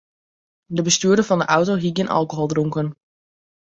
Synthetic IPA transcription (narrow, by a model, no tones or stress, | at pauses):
dəbəstyːɹdəɹvɑndəʔawtoɦiɡɪnʔɑ̰lˠkoɦɔlˠdrʊŋkən